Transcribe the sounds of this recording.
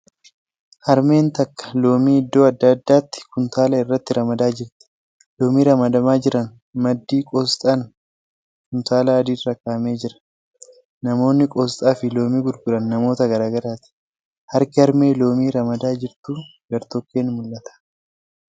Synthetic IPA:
hɐɾme̞ːnt̪ɐkːɐ̥lo̞ːmiːɪd̪ːo̞ːɐd̪ːɐd̪ːaːt̪ːɪ̥kʊnt̪aːlɐɪrːɐt̪ːɪɾɐmɐd̪aːd͡ʒɪɾt̪ɪ̥ | loːmiːɾɐmɐd̪ɐmaːd͡ʒɪɾɐn | mɐd̪ːiːkʼɔːst̪ʼɐn | kʊnt̪aːlɐːd̪iːrːɐkaːme̞ːd͡ʒɪɾɐ̥ | nɐmo̞ːnːɪkʼɔːst̪ʼaːfɪlo̞ːmiːɡʊɾɡʊɾɐnːɐmo̞ːt̪ɐɡɐɾaːɡɐɾaːt̪ɪ̥ | hɐɾkɪhɐɾme̞ːlo̞ːmiːɾɐmɐd̪aːd͡ʒɪɾt̪uːɡɐɾt̪ɔkːe̞ːnmʊlːɐt̪ɐ̥

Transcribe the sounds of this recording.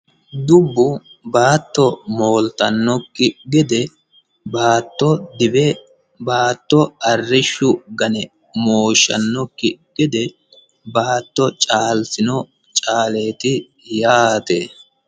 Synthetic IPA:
d̪ʊbːʊbaːt̪ːɔmo̞ːlt̪ɐnːɔkːɪɡɛd̪ɛ | baːt̪ːɔd̪ɪbɛ | baːt̪ːɔɐrːɪʃːʊɡɐnɛ | moːʃːɐ̰nːɔkːɪɡ̥ɛd̪ɛ | baːt̪ːɔt͡ʃʼaːlsɪnɔ | t͡ʃʼaːle̞ːt̪ɪ | jaːt̪ḛː

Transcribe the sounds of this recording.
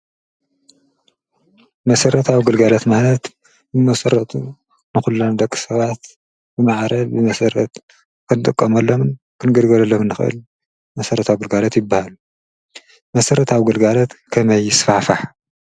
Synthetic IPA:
mɐsɐɾɐt̪ʰawɡɨlɡalɐt̪manɐt̪ | nɨmɐsɐɾːɐt̪ʼu | nɨxulːond̪ɐkʼːi̥sɐβat̪ | bɨmaʕɾɐlbɨmɐsɐɾɐ̰t̪ | kʰɨnɨt̪ʼɨkʼːɐmɐlːomɨn | kʰɨnɡɐlɡɐlɐlːomɨnːɨxɨʔɨ̰l | mɐsɐɾɐt̪ʰawɡɨlɡalot̪jɪbːahalu | mɐsɐɾɐt̪ʰawɡɨlɡalot̪kʰɐmɐjɪsfaħfaħ

